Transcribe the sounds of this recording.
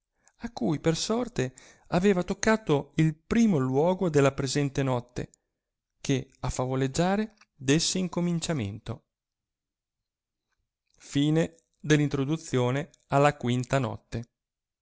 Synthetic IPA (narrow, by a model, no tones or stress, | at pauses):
akːujpersɔrt̪e | aveːvat̪okːaːt̪oilpɾiːmolwɔːɡod̪elːapɾezɛnt̪enɔt̪ːḛ | kʰeafːavoled͡ʒːaːɾe | d̪esːeiŋkomint͡ʃamḛnt̪o | fiːne | d̪elːint̪ɾod̪ut̪sːjoːne | alːakwint̪anɔ̰t̪ːe